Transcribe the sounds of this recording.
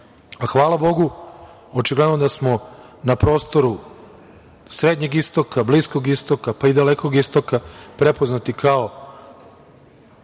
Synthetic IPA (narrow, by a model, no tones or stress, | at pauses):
axʋaːlˠabo̞ɡu | ot͡ʃiɡlˠed̪nod̪asmo̞napɾo̞st̪o̞ɾu | sɾed̪ɲe̞ɡist̪o̞kablisko̞ɡist̪o̞kapaid̪aleko̞ɡist̪o̞kapɾe̞poznat̪ikʰao